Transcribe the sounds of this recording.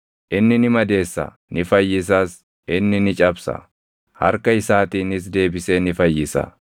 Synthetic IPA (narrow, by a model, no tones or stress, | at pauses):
ʔɪnːɪnɪmɐd̪e̞ːsːɐ̰ | nɪfɐjːɪs̬aːs | ʔɪnːɪnɪt͡ʃʼɐbsɐ̰ | hɐ̰ɾkɐɪsaːt̪iːnɪs̬d̪e̞ːbɪseːnɪfɐjːɪsɐ̰